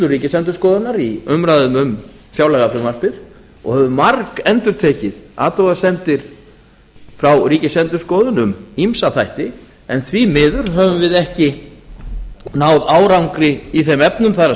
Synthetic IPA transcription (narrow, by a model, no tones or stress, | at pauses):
lʏriːcɪsɛnt̪̬ʏ̥ɾskɔːðʏnːaɾiʏmɾaðʏmʏm | fjaːwlɛɣafɾʏmar̥pɪɾ̥ | ɔ̰ɣhɛvʏmaɾkɛnt̪ʏɾ̥t̪ʰɛːcɪða̰ːt̪ɔɣasɛmt̪ɪɾ̥ | fɾawriːcɪsɛnt̪ʏɾ̥skɔːðʏnʏmimsaθajht̪ɪ | ɛnθvimɪːðʏɾ̥ɦœvʏmvɪðɛhcɪ | naːwðaːwɾawŋkɾɪiθɛmɛpnʏmθaɾa